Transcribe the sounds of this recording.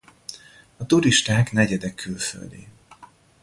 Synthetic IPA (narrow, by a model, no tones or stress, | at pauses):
ɒt̪uɾiʃt̪aːknɛɟɛd̪ɛkʰːylfø̰ld̪ḭː